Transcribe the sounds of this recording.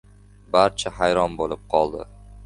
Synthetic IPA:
baɾt͡ʃʰahajɾɒnbolɪp̚qʰɒlˠd̪ɪ̰

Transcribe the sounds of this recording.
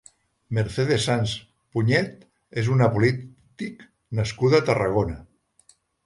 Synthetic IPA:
meɾseðesans | puɲɛt̪ | ezunapulit̪ik | nəskuðat̪əra̰ɣ̞onə

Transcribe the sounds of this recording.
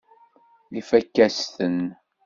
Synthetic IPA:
lifækːæst̪ən

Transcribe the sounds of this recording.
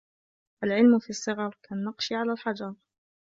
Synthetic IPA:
ʔalʕɪlmfiːsˤːɨɣɑɾˤkaːnːɑqʃiʕalalħad͡ʒɑɾˤ

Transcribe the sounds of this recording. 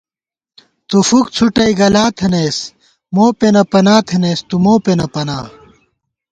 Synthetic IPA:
t̪ufuk̚t͡sʰuʈɐiɡɐlaːt̪ʰeneːs | moːpenɐpɐnaːt̪ʰeneːst̪umoːpenɐpɐnaː

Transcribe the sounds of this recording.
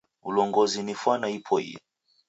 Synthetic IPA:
ulɔŋɡɔzinifwanaipʰɔḭjɛ

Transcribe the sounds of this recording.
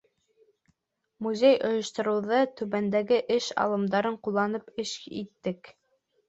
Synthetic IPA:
muzʲejʔŏjŏʃt̪ŏɾɤ̆wðɤt̪ʉβænd̪æɡɘʔɘʃɑ̰lˠɤ̆md̪ɑɾɤɴqulˠːɑnɤpɘʃḭt̪ːɘk

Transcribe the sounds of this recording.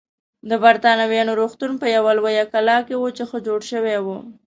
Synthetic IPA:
d̪əbaɾt̪ɑnawjɑnoɾoxt̪unpəjawalwajakalɑkewot͡ʃexəd͡ʒoɽʃəwewu

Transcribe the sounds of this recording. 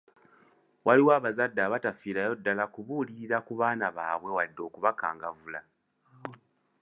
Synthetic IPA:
wʔaliwaːβazadːaːβatafiːɾajo̞dːalakuβuliɾiɾakuβaːnaβaːβwe̞wadːo̞ːkuβaka̰ːŋɡavula

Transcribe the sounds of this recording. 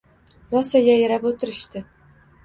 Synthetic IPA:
ɾɒsajʲajeɾapot̪ʰɪɾɪʃt̪ɪ

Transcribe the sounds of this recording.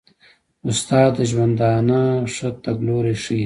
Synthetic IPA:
ʊst̪ɑːd̪əʒwɐnd̪ɑːnaʂət̪ɐɡloɾeʂi

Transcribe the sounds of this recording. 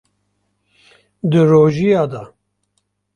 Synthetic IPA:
d̪ɨɾoːʒijɑːd̪ɑ

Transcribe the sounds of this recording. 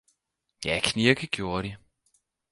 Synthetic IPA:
jækʰniɐɡ̥əɡ̥jo̝ːɐɾ̥i

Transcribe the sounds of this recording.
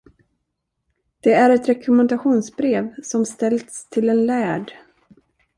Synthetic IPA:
d̪̥ɛæɾɛt̪ɾɛkʰɵmɛnd̪aɧuːnsbɾeːvsɔmst̪ɛlt̪st̪ʰɪlɛnlæːɖ

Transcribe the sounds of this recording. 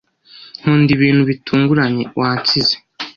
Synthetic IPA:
n̥huːndiβiːn̥huβitʰuːŋɡuɾaɲe̞wat͡size

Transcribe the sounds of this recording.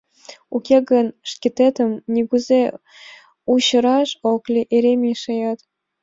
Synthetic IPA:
ukʲeɡə̆nʂkʲet̪et̪ə̆mnʲiɡuze | uɕɤ̆ɾɑʂoklʲiʔeɾʲemʲeʃɤ̆jɑt̪

